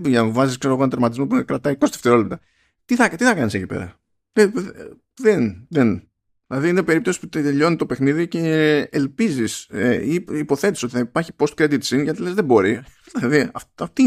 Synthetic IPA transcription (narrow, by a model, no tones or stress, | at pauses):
ʝɐnuvɐziskseɾo̞ɣonɐt̪ɾmɐt̪̬izmopukɾɐt̪ɐiko̞st̪e̥ft̪e̞ɾo̞lept̪ɐ | t̪iθɐkt̪iθɐkɐnisecipḛɾɐ̰ | leð | ðenðen | ðilɐðiinepe̞ɾip̚t̪o̞si̥put̪t̪eʎo̞nit̪o̞pe̞xniðice̞ːlpiziseiiːpo̞θe̞t̪iso̞t̪i̥θɐipɐɾçi̥po̞st̪̚kɾed̪it̪sinʝɐt̪ile̞zðe̞bo̞ɾi | ilɐðiɐɐt̪i